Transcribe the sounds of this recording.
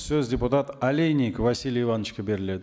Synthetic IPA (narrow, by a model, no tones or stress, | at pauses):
sɵzdʲepʊt̪at̪alʲejnʲikvasʲilʲivanːəʃkʲebe̞ɾɪle̞d̪ɪ